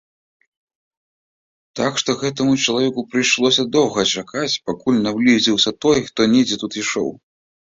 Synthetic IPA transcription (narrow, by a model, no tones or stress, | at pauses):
t̪akʂt̪ɔɣɛt̪ɐmut͡ʂɐlˠavʲɛkupɾɨjʂlˠɔsʲɐd̪ɔwɣɐt͡ʂakʰat͡sʲpakulʲnawlʲizʲiwsʲɐt̪ɔjxt̪ɔnʲɛd͡zʲɛt̪ut̪iʂɔ̰w